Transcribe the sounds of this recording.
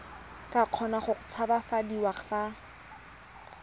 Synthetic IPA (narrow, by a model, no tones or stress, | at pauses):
kʼaq͡χʰɔnaχʊχʊ̥t͡sʰabafadiwaχa